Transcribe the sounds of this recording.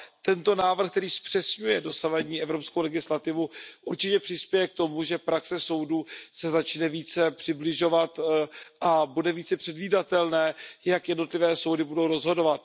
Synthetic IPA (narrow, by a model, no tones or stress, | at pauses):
t̪ɛnt̪o̞naːvr̩xkt̪ɛɾiːspr̥ɛsɲujɛdo̞savaɲiːʔɛvɾo̞pskowlɛɡɪslat̪ɪvuʔuɾt͡ʃɪcɛpr̥ɪspjɛjɛk̚t̪o̞muʒɛpɾaksɛso̞wduːsɛzat͡ʃnɛviːt͡sɛpr̥ɪblɪʒo̞vat̪ʔabudɛviːt͡sɛpr̥ɛdviːdat̪ɛlnɛːjakjɛdno̞t̪lɪvɛːso̞wdɪbudo̞wɾo̞zɦo̞do̞vat̪̚